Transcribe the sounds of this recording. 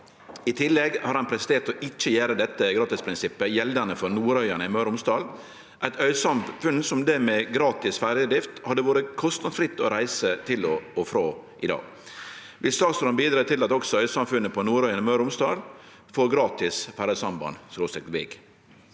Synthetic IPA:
ɪt̪ʰɪlːɛɡhɑɾhɑnpʰɾɛst̪eːʈ̪ɔʔɪt͡ʃːəjæːɾəd̪ɛt̪ːəɡɾɑːt̪ɪspʰɾɪnsɪpːəjɛld̪ənəfɔɾnuːɾœʏɑnəɪmœʉɾʊmst̪ɑːl | ʔæɪt̪œʏsɑmfʉnsɔmd̪ɛmɛɡɾɑːt̪ɪsfæɾjəd̪ɾɪft̪hɑd̪ːəʋoːɾəkʰɔst̪nɑd̪fɾɪt̪ːɔɾæɪsət̪ʰɪlɔɔfɾoːʔɪd̪ɑ̰ːɡ | ʋɪst̪ɑːsɾɔnbiːd̪ɾɑːt̪ɪlɑt̪ɔksɔœʏsɑmfʉnːəpʰɔnuːɾœʏɑnɪmœɾʊmst̪ɑːl | foːɾɡɾɑːt̪ɪsfæɾəd̪sɑmbɑ̰nsɾoːsɪk̪ʋɪ̰ɡ

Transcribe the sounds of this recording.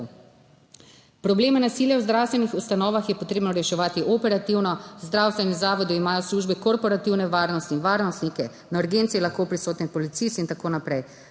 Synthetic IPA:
pɾɔbleːmɛnasiːljɛwzd̪ɾawst̪ʋɛnixust̪anɔːʋaxjɛpot̪ɾeːbnɔɾɛʃɛʋaːt̪iʔɔpɛɾat̪iwnɔzd̪ɾawst̪ʋɛnizaːʋɔd̪iimaːjɔsluːʒbikɔɾpɔɾat̪iwnɛʋaːɾnɔst̪iːnʋaːɾnɔst̪nikɛ | nauɾɡent̪siɛlaxkopɾisoːt̪nipɔlit̪sist̪int̪akoːnapɾɛj

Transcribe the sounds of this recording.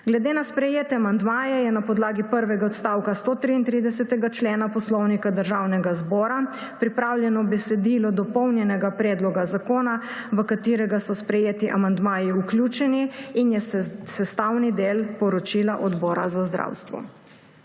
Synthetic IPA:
ɡlɛd̪eːnaspɾɛjeːt̪ɛamand̪maːjɛjɛnapɔd̪laːɡipəɾʋɛɡaɔt̪st̪awkast̪oːt̪ɾiːnt̪ɾid̪ɛsɛt̪ɛɡat͡ʃleːnapɔslɔwnikad̪əɾʒaːwnɛɡazbɔːɾa | pɾipɾawljɛnɔbɛsɛd̪iːlɔd̪ɔpɔwnjɛnɛɡapɾɛːd̪lɔɡazakoːnaʋəkat̪iːɾɛɡasɔspɾɛjeːt̪iʔamand̪maːjiuklʲjuːt͡ʃɛniinjɛsɛst̪awnid̪eːlpɔɾɔt͡ʃiːlaʔɔd̪bɔːɾa̰zazd̪ɾa̰wst̪ʋɔ̰

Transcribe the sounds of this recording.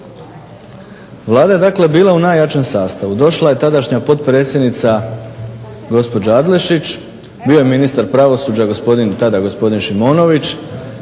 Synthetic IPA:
ʋlˠaːd̪aje̞d̪akle̞biːlˠaunaːjat͡ʃemsaːst̪aʋud̪o̞ʃlˠaje̞t̪ad̪aʃɲapo̞t̪pɾe̞ːt̪sʲje̞d̪nit̪sa | ɡo̞spo̞d͡ʑaad̪le̞ʃit͡ɕ | bio̞jeminist̪aɾpɾaʋo̞suːd͡ʑaɡo̞spo̞d̪int̪ad̪aɡo̞spo̞d̪inʃimo̞ːno̞ʋit͡ɕ

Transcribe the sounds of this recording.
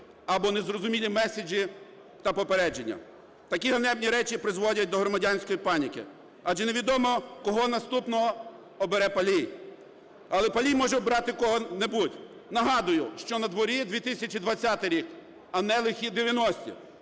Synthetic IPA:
ɐbɔnezrɔzʊmʲilʲimɛsʲed͡ʒʲi | t̪ɐpɔpeɾɛd͡ʒenʲːɐ̰ | t̪ɐkʲiɦɔnɛbnʲiɾɛt͡ʃipɾɪzʋɔdʲɐt̚ʲd̪ɔɦɾɔmɐdʲanʲsʲkɔjipɑnʲikɪ̰ | ɐʒɛneʋʲid̪ɔmɔkɔɦɔnɐst̪upnɔɦɔ | ɔbeɾɛpɐlʲij | ɐlˠɛpɐlʲijmɔʒɛɔbɾɑt̪ɪkɔɦɔnebutʲ | nɐɦɑd̪ʊjʊʃt͡ʃɔnɐd̪ʋɔɾʲid̪ʋʲit̪ɪsʲɐt͡ʃʲid̪ʋɐt͡sʲːat̪ɪɾʲik | ɐnɛlˠɪxʲid̪eʋʲjɐnɔsʲtʲḭ

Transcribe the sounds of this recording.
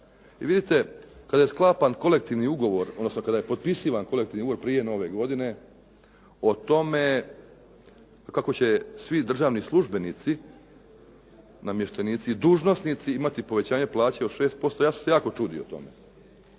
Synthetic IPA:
iʋid̪it̪e̞kad̪aje̞sklˠaːpanko̞le̞kt̪iʋniuɡo̞ʋo̞ɾod̪nosno̞kad̪aje̞po̞d̪pisiːʋanko̞lekt̪iːʋniuɡoɾpɾiːje̞no̞ʋeɡo̞d̪ine̞ | o̞t̪o̞me̞ | kako̞t͡ɕesʋid̪r̩ʒaːʋnislˠuʒbe̞nit̪si | namjeʃt̪enit̪sid̪uːʒno̞snit̪siimat̪ipo̞ʋe̞t͡ɕaːɲeplˠaːt͡ɕeoʃe̞ːst̪̚po̞st̪o̞jaːsu̥msejaːko̞t͡ʃuːd̪io̰t̪o̞̰mḛ

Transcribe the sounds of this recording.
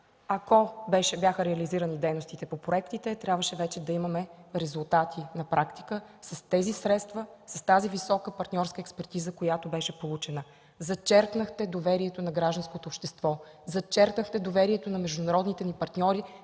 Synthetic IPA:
ɐkobɛʃɛbjaxəɾɛɐliziɾənid̪ɛjnost̪it̪ɛpopɾoɛkt̪it̪ɛt̪ɾjabvəʃɛvɛt͡ʃɛd̪ɐimɐmɛɾɛzulˠt̪at̪ʰinɐpɾakt̪i̥kəsɐst̪ɛzisɾɛt̪st̪vəsɐst̪azivisɔkəpɐɾt̪nʲɔɾskəɛkspɛɾt̪izəkojat̪obɛʃɛpolˠut͡ʃɛnə | zɐt͡ʃɛɾknəxt̪ɛd̪ovɛɾiɛt̪onɐɡɾaʒd̪ɐnskot̪oːpʃt̪ɛst̪vɔ | zɐt͡ʃɛɾknəxt̪ɛd̪ovɛɾiɛt̪onɐmɛʒd̪ʊnɐɾɔd̪nit̪ɛnipɐɾt̪nʲɔɾi

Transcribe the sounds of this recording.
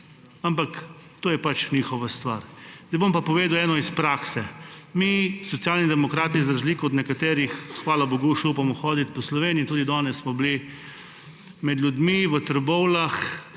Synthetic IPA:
ampak | t̪oːjɛpat͡ʃnixɔʋast̪ʋa̰ɾzd̪ajbompapɔʋeːd̪awɛːnɔispɾaksɛmisɔt̪sjaːlnid̪ɛmɔkɾaːt̪izɾazliːkɔɔd̪nɛkat̪eːɾixxʋaːlaboɡuʃɛupamɔxɔːd̪it̪̚pɔslɔʋeːnijit̪uːd̪id̪ɔnɛsːmɔbli | mɛd̪lʲjud̪miʋət̪ɾɛbɔwlax

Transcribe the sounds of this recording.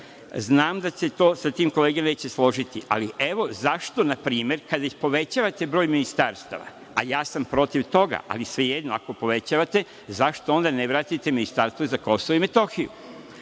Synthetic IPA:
znaːmd̪at͡ɕe̞t̪o̞ːsat̪iːmko̞le̞ːɡene̞ːt͡ɕe̞slˠo̞ʒit̪iʔa̰liʔe̞ʋo̞zaʃt̪o̞napɾiːme̞ɾkad̪aixpo̞ʋe̞t͡ɕaːʋat̪e̞bɾo̞ːjminist̪aːɾst̪a̰ʋa̰ | a̰jaːsampɾo̞t̪iʋt̪o̞ɡa̰ʔa̰lisʋeje̞d̪noa̰ko̞po̞ʋe̞t͡ɕaːʋat̪e̞ | zaʃt̪oo̞nd̪aneʋɾat̪it̪eminist̪aɾst̪ʋozako̞soʋoime̞t̪o̞xijṵ

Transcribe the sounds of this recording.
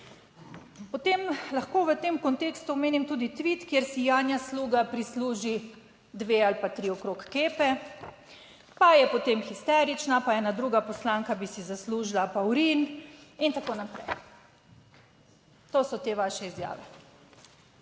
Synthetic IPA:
pot̪emlaxkoːʋət̪emkɔnt̪eːkst̪uɔmeːnimt̪uːd̪it̪ʋit̪kjeɾsijaːnjasluːɡapɾisluːʒi | d̪ʋealipat̪ɾiɔkɾokːeːpɛ | pajɛpɔt̪eːmxist̪ɛɾit͡ʃnapaɛːnad̪ɾuːɡapɔslaŋkabisizasluːʒilapawɾinint̪akoːnapɾɛ̰j | t̪oːsɔt̪eːʋaʃɛizja̰ːʋɛ̰

